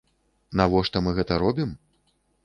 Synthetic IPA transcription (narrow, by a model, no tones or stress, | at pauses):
navɔʂt̪ɔmɨɣɛt̪ɐɾɔbʲim